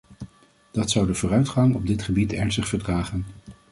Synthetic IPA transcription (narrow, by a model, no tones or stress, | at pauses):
d̥ɑtsʌwdəvʊːrœɥtχɑŋɔb̚dɪtχəbitɛɹnstəχfəɹdraːχən